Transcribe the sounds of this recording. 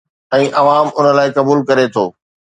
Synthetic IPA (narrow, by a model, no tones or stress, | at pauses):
ɛ̃ːʔɐʋaːmʊnə̆laːɪkɐbuːlkɐɾet̪ʰo̰ː